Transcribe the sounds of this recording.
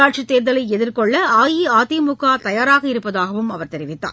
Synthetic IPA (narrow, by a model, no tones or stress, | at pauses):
aːʈ̚t͡ʃit̪ːeːɾðɐlɐɪɛðɪrkɔɭːɐaːjiaːt̪imʊkːaːt̪ɐjaːɾaːɣɐɪɾɯpːɐðaːɣɐʋɯmɐʋɐɾt̪ɛɾɪʋɪt̪ːa̰ː